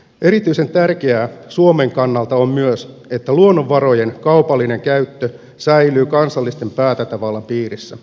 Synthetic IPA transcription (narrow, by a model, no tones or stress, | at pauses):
ʔe̞ɾit̪yise̞nt̪ærkeæːsuome̞ŋkɑnːɑlt̪ɑommyøs | e̞t̪ːæluonːoʋːɑɾo̞je̞nkɑupɑlːine̞ŋkæyt̪ːø | sæjlyːkɑnsɑlːist̪e̞mpæːt̪æt̪ɑʋɑlːɑmpiːrisːæ